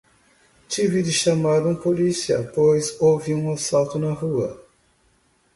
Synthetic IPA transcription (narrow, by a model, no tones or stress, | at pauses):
t͡ʃivɪd̪ɪʃamaɾũpolisiɐ̰pojzowviũasawt̪ʊnɐhuɐ